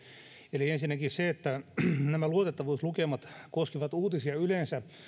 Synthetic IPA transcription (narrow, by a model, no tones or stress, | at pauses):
eliensinːækisseet̪ːænæmæluot̪et̪ːɑʋuːslukemɑt̪koskiʋɑt̪uːt̪isiɑylensæ